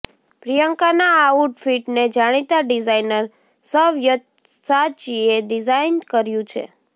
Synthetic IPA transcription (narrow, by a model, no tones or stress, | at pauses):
pɾijəŋkanaːuʈfiʈned͡ʒaɽ̃it̪aɖizajnəɾ | səʋjət̪sat͡ʃieɖizainkəɾjũt͡ʃʰḛ